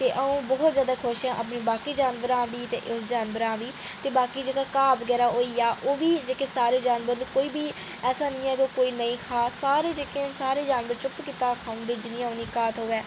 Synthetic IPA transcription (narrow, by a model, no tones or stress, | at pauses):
t̪eːʔəũːbɔːt̪zjaːd̪aːkʰʊʃãːʔəpneːbaːkiːd͡ʒaːnʋəɾãːʋiːt̪ḛːʔʊsd͡ʒaːnbəɾãːʋiː | t̪eːbaːkiːd͡ʒeːɡaːkaːbəɡɛːɾaːɦoːiːaːʔoːʋiːd͡ʒeːkeːsaːɾeːd͡ʒaːnʋəɾnũːkoːiːbiː | ɛːsaːnɪ̃ːɛːkoːkoːiːnəĩːkʰaːsaːɾeːd͡ʒeːkeːsaːɾeːd͡ʒaːnʋəɾt͡ʃʊpkiːt̪aːkʰaːʊ̃nd̪eːd͡ʒɪnɪjãːʊniːkaːt̪ɦoːɛː